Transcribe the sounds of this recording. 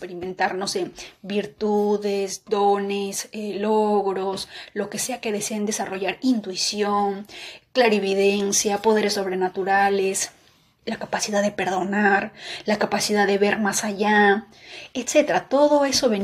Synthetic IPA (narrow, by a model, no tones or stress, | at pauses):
peɾimẽ̞nt̪aɾno̞sebiɾt̪uðezd̪o̞neseloɣɾo̞slo̞ke̞se̞ake̞ðe̞se̞end̪e̞saro̞ʝaɾint̪wisjo̞ŋklaɾeβiðe̞nsjapo̞ð̞e̞ɾesːo̞β̞ɾe̞nat̪uɾales | lakapasiðaððepe̞ɾðo̞naɾlakapasiðaðe̞βe̞ɾmasaʝa | et̪se̞t̪eɾat̪o̞ðo̞e̞so̞βe̞n